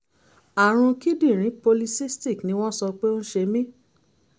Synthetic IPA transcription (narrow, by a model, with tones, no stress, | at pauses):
a˨ɾ̃ũ˧ki˦dĩ˦˨ɾ̃ĩ˨˦po˧li˧si˦sti˦˨knĩ˧˦w̃ɔ̃˦sɔ˧k͡pe˦õ˦ʃe˧mĩ˦